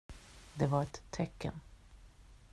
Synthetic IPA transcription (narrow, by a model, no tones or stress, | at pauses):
d̪ɛvaɾɛt̪ʰːɛkːə̰n